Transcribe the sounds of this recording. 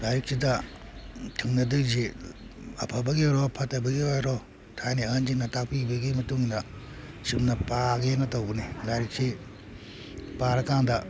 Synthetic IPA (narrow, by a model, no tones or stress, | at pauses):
lajɾik̚sidɐ | tʰɯŋnɐdɯzi | ɐ̰pʰɐbɐɡiɔɾɔpʰɐtɐbɐɡiɔjɾɔ | tʰajniɐnd͡ʒinɐtak̚pibiɡimɐtuŋndɐ | simnɐpaɡenɐtowbɐnilajɾik̚si | paɾɐkaŋdɐ